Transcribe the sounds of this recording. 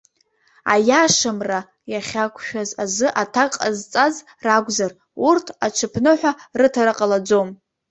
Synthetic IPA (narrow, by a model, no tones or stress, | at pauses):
a̰jaʂamra | jaχʲakʷʰʃᶣazazɨʔatʰakʼazt͡sʼaz | raɡʷzar | urtʰat͡ʃʰɨpʰnɨħʷarɨtʰaɾaqʼalad͡zom